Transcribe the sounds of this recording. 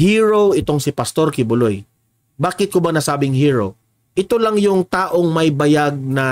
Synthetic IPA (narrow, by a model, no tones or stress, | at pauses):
hiːɹowʔɪt̪o̞ŋsɪpɐst̪o̞ɾkɪbʊloj | baːkɪt̪̚kobɐnɐsaːbɪŋhiːɹo̰w | ʔɪt̪o̞lɐŋjʊŋt̪aːʔo̞ŋmɐjbɐjaɡ̚nɐ